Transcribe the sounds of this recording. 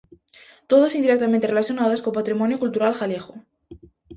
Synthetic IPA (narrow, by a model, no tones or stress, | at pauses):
t̪oðasind̪iɾek̚t̪amẽnt̪erelaθjonaðaskompat̪ɾimonjokult̪uɾalxaljexo